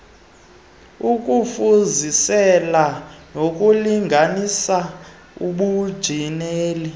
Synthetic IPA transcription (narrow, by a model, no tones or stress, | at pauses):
uk̬ʼufuzisɛlanok̬ʼuliŋɡʱanisa | uɓud̥ʒ̥ʱineːli